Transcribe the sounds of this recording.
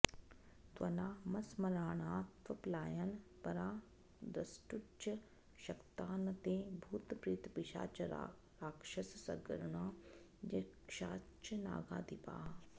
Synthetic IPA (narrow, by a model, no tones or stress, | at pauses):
t̪ʋɐnaːmɐsmɐɾaːɳaːt̪ʋɐplaːjɐnpɐɾaː | d̪ɾɐsʈut͡ʃɐ | ʃɐkt̪aːnɐt̪ẽːbʱuːt̪pɾit̪piʃa̰ːt͡ʃ | ɾaːkʃɐssɐ̰ɡɾɳaːjɐkʃa̰ːt͡ʃɐna̰ːɡa̰ːd̪ipa̰ː